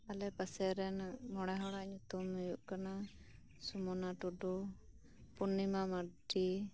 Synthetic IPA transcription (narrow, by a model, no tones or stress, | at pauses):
alɛpasɛɾɛnmɔɽ̃ɛɦɔɽaʔɲut̪umːujuʔkana | sumɔnaʈuɖu | punːimamaɖi